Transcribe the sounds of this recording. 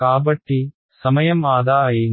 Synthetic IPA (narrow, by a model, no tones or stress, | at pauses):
aːbɐʈːi | sɐmɐjɐmaːd̪aːji